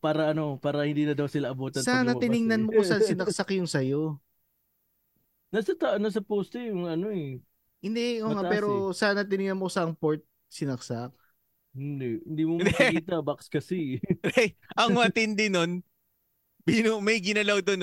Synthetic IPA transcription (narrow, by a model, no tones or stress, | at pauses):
paːɾɐʔɐno̞paːɾɐhɪnd̪iːnɐd̪ɐwsɪlaʔɐboːt̪ɐsaːnɐt̪ɪnɪŋnɐnmokosɐsɪnɐk̚sɐkjʊŋsɐjo̞ | nasɐt̪aʔnɐs̬ɐpoːst̪ojʊŋɐnoɛ | hɪnd̪ɛoːŋaʔpɛːɾosaːnɐt̪ɪnɪŋnɐnmokosɐʔɐŋpoɹt̪̚ | sɪnɐk̚sak̚ | hɪnd̪ɛʔhɪnd̪iːmomd̪kiːt̪ɐbakskɐsɪ | ʔɐŋmɐt̪ɪnd̪ɪnon | binomɐjɡɪnɐlawd̪on